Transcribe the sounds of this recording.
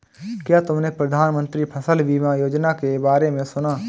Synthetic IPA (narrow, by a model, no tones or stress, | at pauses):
kjat̪ʊmnẽpɾəd̪ʱaːnmə̃nt̪ɾipʰəsəlʋimãjoːd͡ʒnakebaːɾemẽsʊnaː